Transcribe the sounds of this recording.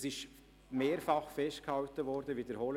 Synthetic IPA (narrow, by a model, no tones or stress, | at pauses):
sɪʃ | meːɾfɑχfɛstkhɑʊtəvɔːɾdəviːdəɾhɔl